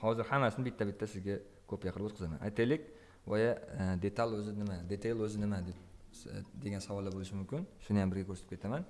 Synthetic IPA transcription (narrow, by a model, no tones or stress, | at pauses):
hɒzɪɾhamːasɪnɪbɪt̪ʰːabɪt̪ːasɪzɡʲa | kʰɵpjɑqʰənbot̪qʰəzama̰nʔa̰jt̪ʰajlɪkʲ | wajad̪e̞t̪ʰalʲɵzɪnɪmad̪e̞t̪ʰalʲɵzɪnɪmad̪ep̚ | d̪e̞ɡʲansawɒlˠːaɾbolˠɪʃɪmʊmkʲɪnʃʊnɪjambɪɾɡʲakʲʰɵɾset̪ɪpkʲʰt̪ʰaman